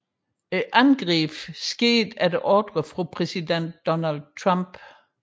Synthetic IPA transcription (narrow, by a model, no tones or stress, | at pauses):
eʔænɡ̥ʁiːb̥sɡ̥e̝̰ːd̥æɐd̥eʔɒd̥ʁəfʁupʰʁɛsiden̰d̥ːɒnæld̥̚t͡sʰʁɑmb̥